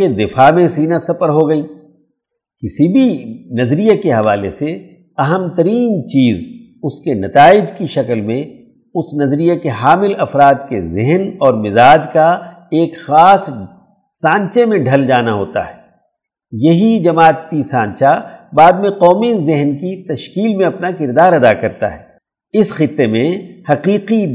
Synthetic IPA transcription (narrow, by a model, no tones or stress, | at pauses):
ked̪ɪfaːmẽsiːnasɐpəɾɦoɡɐiː | kɪsibʱinɐzɾijakeɦɐʋaːlḛse | ɐɦəmt̪ɐɾiːnt͡ʃiːz | ʊskenɐt̪aːɪd͡ʒkiʃɐklmẽ | ʊsnɐzɾijakeɦaːmɪlɐfɾaːd̪kḛzɪɦnɔːɾmɪzaːd͡ʒka | eːkxaːs | sãːɲt͡ʃemẽɖʱɐld͡ʒaːnaɦo̰ːt̪a̰ɦɛː | jɐɦid͡ʒɐmaːt̪kisãːɲt͡ʃabaːd̪mẽqɔːmizɪɦnkit̪ɐʃkiːlmẽɐpnakɪɾd̪aːɾɐd̪akɐɾt̪a̰ɦɛ̰ː | ɪsxɪt̪ːemẽhɐqiːqi